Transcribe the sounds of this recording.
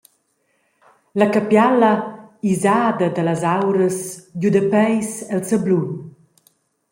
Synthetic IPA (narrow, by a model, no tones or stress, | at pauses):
lakapjalɐizaːd̪ɐd̪alazawɾəsɟud̪əpɛjsɛlsəblun